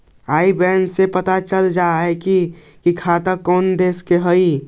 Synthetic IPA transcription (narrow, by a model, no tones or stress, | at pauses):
aːibɛːnsepət̪at͡ʃəld͡ʒaɦɛki | kikʰat̪əkɔːnd̪eːskeɦəi